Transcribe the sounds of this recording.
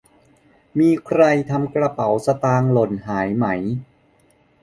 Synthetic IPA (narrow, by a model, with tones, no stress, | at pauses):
miː˧kʰɾa˧jt̪ʰa˧mkɾa˧pa˩˦wsa˧t̪aː˧ŋlo˨˩nhaː˩˦jma˦j